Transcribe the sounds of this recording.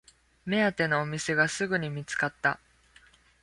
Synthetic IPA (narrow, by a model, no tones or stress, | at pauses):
me̞at̪e̞no̞ːmʲise̞ɡasɨɡɯ̟ɲ̟imʲit͡sɨ̥kat̪ːa̰